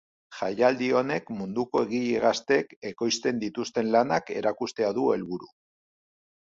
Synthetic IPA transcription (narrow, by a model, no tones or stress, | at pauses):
ʝajald̪io̞ne̞kmund̪uko̞e̞ɣiʎeɣ̞ast̪e̞ke̞ko̞jst̪e̞nd̪it̪ust̪e̞nlanake̞̰ɾakust̪e̞aðue̞lβuɾu